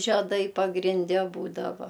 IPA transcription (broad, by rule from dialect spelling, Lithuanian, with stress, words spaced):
ʒʲɛˈdɐɪ pɐɡrʲɪnʲˈdʲɛ ˈbuːdɐʋɐ